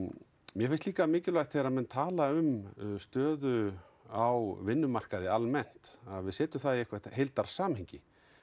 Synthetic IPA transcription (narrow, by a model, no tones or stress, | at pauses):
mjɛfɪnst̪iːkamɪːcɪlvajt̪θeːɾaðmɛnt̪ʰaːlaʏmst̪œːðʏ | awvɪnːʏmar̥kaðɪalmɛn̥t̪aðvɪðsɛːt̪ʏmθaðɛhkvat̪hejlt̪aɾ̥saːmheɲcɪ